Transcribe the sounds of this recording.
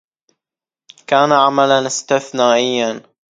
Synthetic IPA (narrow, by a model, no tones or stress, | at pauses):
kaːnaʕamalanɪst̪ɪθnaːʔɪjːan